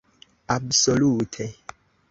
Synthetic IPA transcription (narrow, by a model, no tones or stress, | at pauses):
absolutʰe